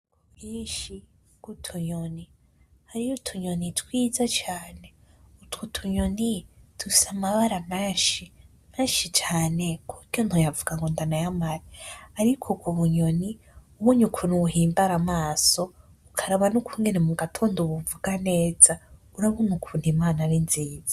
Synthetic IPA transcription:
kuiːʃi | ɡ̥utʰuɲoni | haɾijutʰuɲonitʰwiːzat͡ʃaːne̞ | utwutʰuɲonitui̥samaβaɾamaːʃi | maːʃit͡ʃaːne̞kʰukjonhojavuɡaŋɡondanajamaɾiaɾikʰokʰuβuɲoni | uβuɲukʰunuuɦiːmbaɾamaːso | ukʰaɾaβanukʰuŋɡenemuɡatʰoːndoβuvuɡane̞ːza | uɾaβunukʰuːndimaːnaɾinziːza

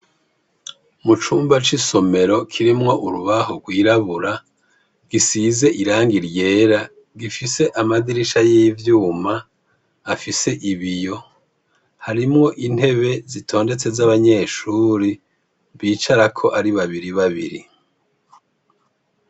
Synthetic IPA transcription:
mut͡ʃuːmbat͡ʃiso̞me̞ɾo̞kʰiɾimŋo̞ʔuɾuβahoɡwiːɾaβuɾa | ɡ̥isize̞ʔiɾaːŋɡiɾje̞ːɾa | ɡifise̞ʔamadiɾiʃajivjuːmaː | fise̞ʔiβijo̞ | haɾimŋo̞ʔin̥he̞βe̞zitʰo̞ːnde̞t͡se̞zaβaɲe̞ːʃuːɾi | βiːt͡ʃaɾakʰo̞ʔaɾiβaβiɾiβaβḭɾḭ

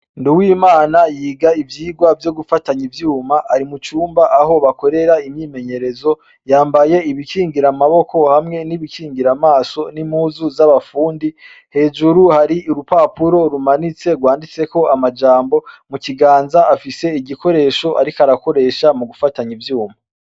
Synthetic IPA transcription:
nduwiːmaːnajiːɡaivjiːɡwavjoɡufataɲivjuːmaʔaɾimut͡ʃuːmbaʔaɦo̞βako̞ɾe̞ɾaimɲiːme̞ɲe̞ɾe̞zo̞ | jaːmbaje̞iβikiːŋɡiɾamaβo̞kʰo̞hamŋe̞niβikʰiːŋɡiɾamaːso̞nimuːzuzaβafuːndi | he̞ːd͡ʒuɾuhaɾiuɾupapuɾo̞ɾumanit͡se̞ɡwaːndit͡se̞ko̞amad͡ʒaːmbo̞muciɡaːnzaafise̞iɟikʰo̞ɾe̞ʃo̞ʔa̰ɾikaɾako̞ɾe̞ːʃamuɡufataɲivjuːma

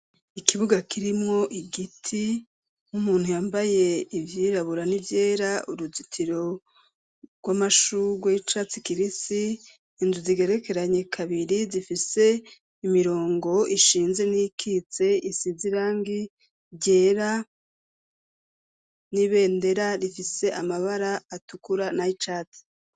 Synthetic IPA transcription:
ikiβuɡakiɾimŋo̞ʔiɡitʰi | umuːn̥hujaːmbaje̞ivjiːɾaβuɾanivje̞ːɾauɾuzitʰiɾo̞ | ɡ̥wamaʃuɡwet͡ʃat͡sikiɾisiː | nzuziɡe̞ɾe̞ke̞ɾaɲe̞kʰaβiɾizifise̞ | imiɾo̞ːŋɡo̞iʃiːnze̞nikʰiːt͡se̞isiziɾaːŋɡi | ɟe̞ːɾa | niβe̞ːnde̞ɾaɾifise̞amaβaɾaːtukuɾanait͡ʃat͡si̥

